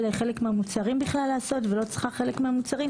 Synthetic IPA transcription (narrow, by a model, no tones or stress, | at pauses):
lajχe̞lekmeamut͡saʁimbiχlalːaːso̞tvelo̞t͡sχaχelekmeamut͡saʁim